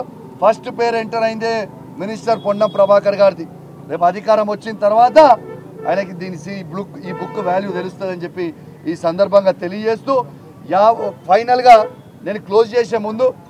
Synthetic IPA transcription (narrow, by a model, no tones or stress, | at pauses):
pʰɐsʈpeːɐɾeɳʈɐɾɐjind̪eː | minisʈɐɾpoɳɖːɐmpɾɐbʱaːkɐɾɡaːɾit̪i | ɾe̞ːp̬uɐd̪ʱikaːɾɐmʋɐt͡ʃːinɐt̪ɐɾʋaːt̪ɐ̰ː | jnɐkid̪iːnisibukiːbukːuʋaːljuːd̪elust̪und̪ɐnd͡ʒepːi | iːsɐnd̪ɐɾbʱɐŋɡaːt̪e̞lijɐd͡ʒeːst̪uː | jaːpʰɐjnɐlɡaː | ne̞ːnuklo̞ːst͡ʃeːs̬e̞ːmund̪u